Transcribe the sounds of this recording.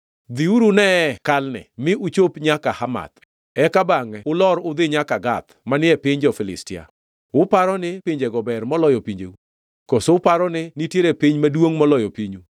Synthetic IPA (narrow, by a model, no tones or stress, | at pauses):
d̪iuɾunɛkalnɛ̰mɪʔut͡ʃopɲakahama̰t̪ | ɛkabaŋɛʊlɔɾʊd̪ɪɲakaɡat̪manɪɛpɪɲd͡ʒɔfɪlɪ̰stɪa̰ | ʊpaɾɔnɪpɪɲd͡ʒeɡɔbɛrmɔlɔjɔpiɲd͡ʒḛu | kosoʊpaɾɔnɪnitjeɾepiɲmadwoŋmɔlɔjɔpiɲu